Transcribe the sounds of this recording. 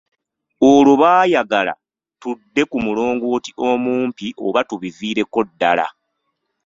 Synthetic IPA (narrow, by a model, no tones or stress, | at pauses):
oloβaːjaɡala̰ | tudːe̞kumuloːŋɡo̞ːtiʔo̞muːmpiʔo̞βatuβiziːɾe̞ko̞dːala̰